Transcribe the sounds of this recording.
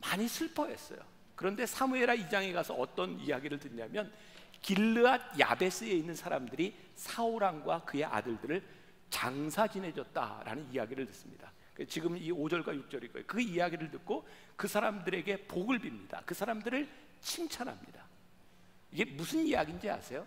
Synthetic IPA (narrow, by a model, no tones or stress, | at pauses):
maɲisʰɯɭpʰʌɦe̞̰s͈ʌ̰jo̰ | kɯɾʌnde̞sʰamueɾaid͡ʑaŋe̞ɡasʰʌːt͈ʌnijaɡiɾɯɭtɯɲɲamjʌn | kiɭːɯad̚ja̰be̞s͈ɯe̞inːɯnsʰaɾa̰mdɯɾi | sʰaoɾaŋɡwakɯje̞ʔa̰dɯɭdɯɾɯɭ | t͡ɕaŋsʰad͡ʑine̞d͡ʑʌt̚t͈a̰ɾa̰nɯnijaɡiɾɯɭtɯs͈ɯmɲid̥a | kt͡ɕiɡɯmiod͡ʑʌɭɡwajuk̚t͡ɕ͈ʌɾiɡa̰jokɯijaɡiɾɯɭtɯk̚k͈o | kɯsʰaɾamdɯɾe̞ɡe̞poɡɯɭbimɲid̥a̰kɯsʰaɾamdɯɾɯɭ | t͡ɕʰiŋt͡ɕʰanɦa̰mɲida | iɡe̞musʰɯnijaɡind͡ʑia̰sʰe̞jo